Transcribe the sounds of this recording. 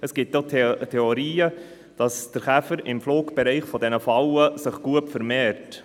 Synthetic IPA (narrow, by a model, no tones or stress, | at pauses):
əsɡ̥ɪtottʰɛoɾiːə | d̥ɑsd̥əɾχæfəɾɪmfloːkb̥ɛɾɛɪχfɔdɛnəfɑwəsɪχɡ̥uəpfəɾmɛːɾt